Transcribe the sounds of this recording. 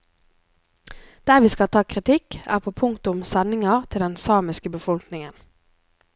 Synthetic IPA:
d̪̥æːʁʋiːskɑt̪ʰɑːkʰʁɪt̪ʰɪkæ̰ːʁpʰoːpʰʊŋt̪ʊmsɛnɪŋɑʁt̪ʰɪld̪ɛnsɑːmɪskəbəfɔlknɪŋən

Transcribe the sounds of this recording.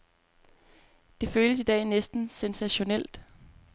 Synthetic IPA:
d̥e̝føːləsid̥ɛ̰ːnesd̥n̩sensæɕo̝nel̰d̥

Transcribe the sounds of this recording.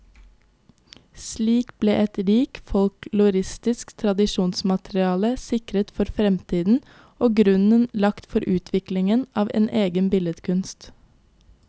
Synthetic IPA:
sliːkblḛːʔɛt̪ɾiːkfɔlklʉɾɪst̪ɪskt̪ʰɾɑd̪ɪʃuːnsmɑt̪ɾɪɑːləsɪkɾət̪fɔɾfɾɛmt̪ʰiːd̪n̩ | oːɡɾʉnənlɑkt̪fɔɾʔʉːt̪ʰʋɪklɪŋənʔɑːʋḛːnʔeːɡənbɪlət̪kʰʉnst̪

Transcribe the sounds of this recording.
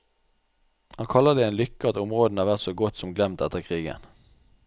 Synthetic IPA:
hɑnkʰɑləʁd̪ɛɛːnlʏkːət̪ʊmʁoːd̪n̩ɑːʁʋæʁt̪soːɡɔt̪sɔmɡlɛmt̪ɛt̪əʁkʰʁiːɡə̰n

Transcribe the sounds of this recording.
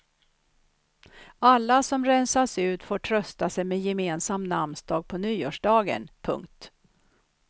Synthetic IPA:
alːasɔmɾɛnsaʂʉ̟ːt̪foːʈʰɾœst̪asɛjmɛjɛmeːnsamnamnsd̪ɑːɡ̚pʰɔnyːoːʂɖɑːɡə̰npʰɵ̰ŋkt̪

